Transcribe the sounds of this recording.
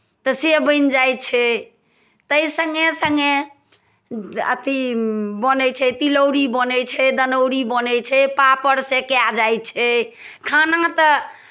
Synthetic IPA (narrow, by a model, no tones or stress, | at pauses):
t̪əsebəɪnd͡ʒajt͡ʃʰɛ | t̪əjsəŋɡesəŋɡe | ə̰t̪ibənɛt͡ʃʰɛt̪iləwɾibənɛt͡ʃʰɛd̪ənəʊɾibənɛt͡ʃʰɛpapəɾsekead͡ʒajt͡ʃʰɛkʰanãt̪ə